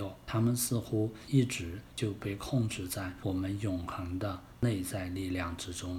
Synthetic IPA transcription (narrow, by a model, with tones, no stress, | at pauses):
o˨˩ʊt̪ʰa˥mə˨nsɹ̩˥˧xu˥i˥˩ʈ͡ʂɻ̩˧˥t͡ɕjo˥˧ʊpe˥˧ɪkʰʊ˥˧ŋʈ͡ʂɻ̩˥˧t͡sa˥˩ɪwɔ˨˩mə˦njʊ˨˩ŋxə˧˥ŋd̪ə˧ | ne˥˧ɪt͡sa˥˧ɪli˥˧ljɑ˥˩ŋʈ͡ʂɻ̩˥ʈ͡ʂʊ˥ŋ